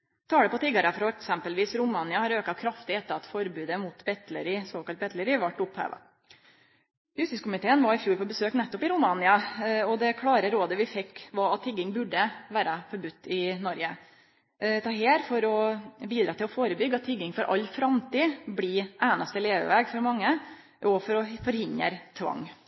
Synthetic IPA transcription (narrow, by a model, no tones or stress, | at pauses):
t̪ʰɑːɽəpɔt̪ʰɪɡɑɾəfɾɔɛksɛmpəlʋiːsɾʊmɑnɪɑhɑɾøːkɑkʰɾɑft̪ɪɛt̪ːəɾɑt̪fɔɾbʉːd̪əmʊt̪bɛt̪ləɾɪsoːkɑlt̪̚bɛt̪ʰləɾɪʋɑʈːʊphæ̰ːʋɑ̰ | jʉst̪ɪskʊmɪt̪ʰeːənʋɑɾɪfjuːɾpɔbəsøːknɛt̪ːɔpɪɾʊmɑnɪɑɔd̪ɛkʰɽɑːɾəɾoːd̪əʋɪfɛkːʋɑɑt̪ʰːɪɡːɪŋbʉɖəʋæːɾəfɔɾbʉt̪ːɪnɔɾɡə | t̪ʰɑːɦeːɾfɔɾɔbiːd̪ɾɑːt̪ʰɪlɔfoːɾəbʏɡːɑt̪ʰːɪɡːɪŋfɔɾʔɑ̰lːfɾɑmt̪iːbɽiʔæːnɑst̪əleːʋə̰ʋæːɡfɔɾmɑŋːə | ʔɔfɔɾɔfɔɾhɪnə̰ɾt̪ʰʋɑ̰ŋː